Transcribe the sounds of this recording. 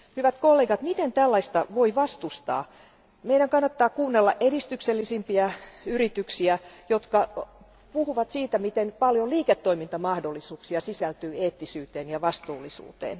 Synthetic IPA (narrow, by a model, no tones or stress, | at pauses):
hyʋæt̪kolːeːɡɑt̪mit̪ent̪ælːɑist̪ɑʋoiʋɑst̪ust̪ɑ̰ː | meiɾæŋkɑnːɑt̪ːɑːkuːnːelːɑʔeɾist̪ykselːisimpiæyrit̪yksiæjot̪kɑ | puhuʋɑt̪siːt̪æmit̪enpɑljoliːket̪ːoimint̪ɑmɑhdolːisuːksiɑsisælt̪yːeːt̪ːisyːt̪eːnjɑʋɑst̪uːlːˑisṵːt̪ḛːn